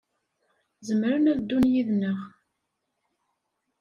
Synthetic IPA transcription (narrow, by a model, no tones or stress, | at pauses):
zəmɾənæðd̪ːunjiðnəʁ